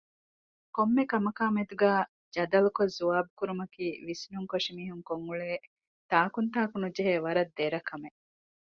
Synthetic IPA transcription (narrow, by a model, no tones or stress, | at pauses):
komːekɐmɐkaːmed̪uɡæː | d͡ʒɐd̪ɐlukozuaːbukuɾumɐkiːʋisnuŋkoʂimiːɦuŋkoŋɡuɭeː | t̪aːkunt̪aːkunud͡ʒeɦeːʋɐɾɐd̪ːeɾɐkɐme